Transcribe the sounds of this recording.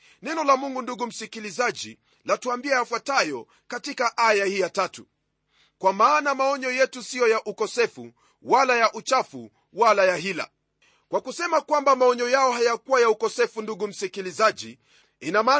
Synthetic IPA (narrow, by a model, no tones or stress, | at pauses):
nɛnɔlamuŋɡunduɡum̩sikilizaʄḭ | latuambiaafwatajɔ | katikaʔajahijatatṵ | kwamaːnamaɔɲɔjɛtusijɔjaʔukɔsɛfṵ | walajaʔut͡ʃafṵ | walajaɦila̰ | kwakusɛmakwambamaɔɲɔjaɔɦajakuwajaukɔsɛfunduɡum̩sikilizaʄḭ | inamaː